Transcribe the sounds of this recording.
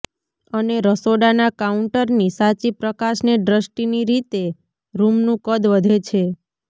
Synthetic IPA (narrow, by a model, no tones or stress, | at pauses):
əneɾəsoɽanakauɳʈəɾnisat͡ʃipɾəkaʃneɖɾəsʈiniɾit̪e | ɾumnũkəd̪ʋəd̪ʱet͡ʃʰe